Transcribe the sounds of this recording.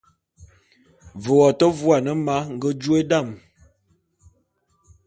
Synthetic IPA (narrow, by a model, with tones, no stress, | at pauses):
və˨wɔ˨tə˦vu˦a˨nə˦ma˦ŋ˦ɡə˦d͡ʒu˦e˦da˦˨m